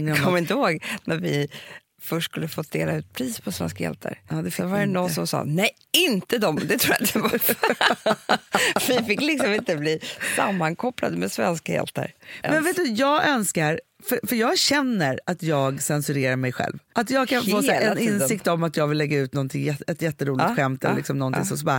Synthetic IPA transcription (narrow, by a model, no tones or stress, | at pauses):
ŋːɔmːɪnt̪əhoːɡnæɾvɪ | fœʂʈskɵlːəfoːd̪ḛːlaʉ̟ːt̪̚pʰɾiːspʰɔsvɛ̰nskajɛ̰lt̪ʰə̰ɾɑd̪ɛvaɾɛnɔnsɔmsɑ̰ːnɛj | ɪnt̪əd̪ɔmd̪ɛt̪ʰɾuːjaɪt̪əvf | fvɪfɪkːlɪksɔmɪnt̪əbliːsamːaŋkʰɔpːla̰d̪əmɛsvɛ̰nskajɛ̰lt̪ə̰ɾmɛnveːt̪̚d̪ʉjɑːɡʔœnskaɾfœfœɾjɑːɡɕɛnːəɾat̪jɑːɡsɛnsɵɾeːɾaɾmɛjɧɛ̰lvʔat̪jɑːɡkʰanfoːlɛnɪnsɪkt̪ɔmat̪jɑːɡvɪlːɛɡːaʉ̟ːt̪nɔnt̪ʰɪŋjɛɛt̪jɛt̪ːəɾuːlɪtɧɛmt̪ɛllɪ̰ksɔmnɔnt̪ɪŋsɔmsba